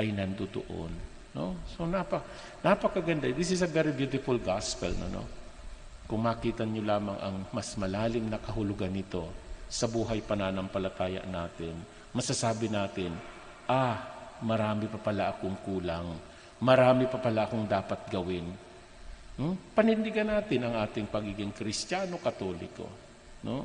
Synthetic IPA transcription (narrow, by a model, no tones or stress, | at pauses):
ʔɐjnɐnd̪od̪o̰ʔo̰nː | oso̞nɐpɐ | nɐpɐkɐɡɐnd̪ad̪isɪsɐvɛɾɪbjut̪ɪfʊlɡaspɛlno̰no̰ | kʊŋmaːkiːt̪ɐnolaːmɐŋʔɐ̰ŋmɐsmɐlaːlɪmnɐkɐɦʊlʊɡanːɪt̪o̞sɐbuːɦɐjpɐnanɐŋpɐlɐt̪aːjɐ̰ʔnaːt̪ɪn | mɐsasaːbɪnaːt̪ɪn | ʔamɐɾaːmɪpɐpɐlaʔɐkoŋkuːlaŋ | mɐɾaːmɪpɐpɐlaʔɐko̞ŋd̪aːpɐt̪̚ɡɐwɪn | pɐnɪnːɪɡɐnːaːt̪ɪnɐŋʔaːt̪ɪŋpɐɡiːɡɪŋkɾɪst̪jaːno̞kɐt̪o̞ːlɪ̰ko̞̰ | no